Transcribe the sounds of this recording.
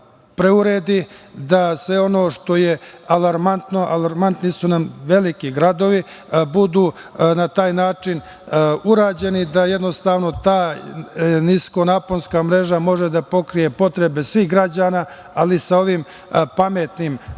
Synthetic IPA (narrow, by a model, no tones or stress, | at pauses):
pɾeuɾeːd̪id̪asʋe̞o̞no̞ːʂt̪o̞je̞alaɾmant̪no̞ʔalaɾmant̪nisunamʋe̞likiɡɾad̪o̞ʋibud̪uːnat̪aːjnaːt͡ʂin | uɾaːd͡ʑe̞nid̪ajed̪no̞st̪aːʋno̞t̪aː | nisko̞naːponskaːmɾe̞ʒamo̞ʒed̪apo̞kɾije̞po̞t̪ɾe̞be̞sʋixɡɾad͡ʑaːnaː | alisao̞ʋim | pame̞t̪nim